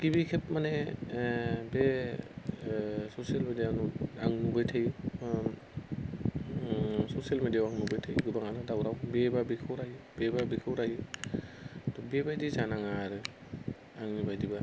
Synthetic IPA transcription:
ɡ̥ibikʰep̚mane | be | sosialmedianɔaŋnubajtʰaj | sosialmedijawaŋnubajtʰejɡɯbaŋanadawɾawbebabikʰɯwɾajbebabikʰɯwɾajɯ | tɔbebajdizanaŋaɾɯ | aŋnibajdiba

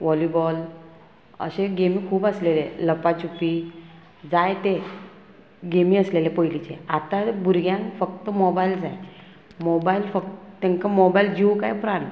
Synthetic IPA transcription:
ʋɔlibɔl | ə̰ɕeɡemiːkʰuːpəsleleləpat͡ɕupi | d͡zajt̪e | ɡemiːəslelepəjlit͡ɕeat̪abʱuɾɡjãnfək̚t̪əmɔbaild͡zaj | mɔbailfək̚t̪ət̪ːẽŋkamɔbajild͡ʑiwkajpɾan

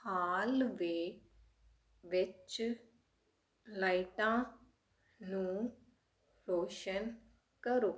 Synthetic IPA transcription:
haːlʋeː | ʋɪt͡ʃ | laːiʈãː | nũː | ɾoːʃən | kəɾoː

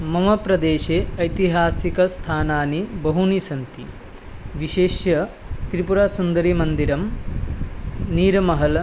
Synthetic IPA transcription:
mɐmɐpɾɐd̪eːʃeɐjt̪iɦaːsikɐst̪ʰaːnaːnibɐɦunisɐnt̪i | ʋiʃeːʃjɐ | t̪ɾipuɾaːsund̪ɐɾimɐnd̪iɾɐm | niːɾɐmɐɦɐl

